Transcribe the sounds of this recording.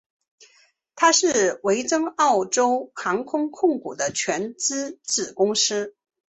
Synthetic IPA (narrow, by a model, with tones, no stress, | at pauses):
t̪ʰa˥ʂɻ̩˥˩we˧˥ɪt͡sɤ˥ŋɑ˥˩ʊʈ͡ʂo˥ʊxɑ˧˥ŋkʰʊ˥ŋkʰʊ˥˩ŋkṵ˨˩d̪ə˦t͡ɕʰɥɛ˧˥nt͡sɹ̩˥t͡sɹ̩˨˩kʊ˥ŋʂɻ̩˥